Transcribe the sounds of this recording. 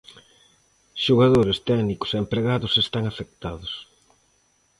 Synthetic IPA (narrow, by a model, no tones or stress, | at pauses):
ʃuɣaðoɾest̪ɛɣnikʊ̥seempɾeɣaðʊsest̪aŋafek̚t̪aðʊs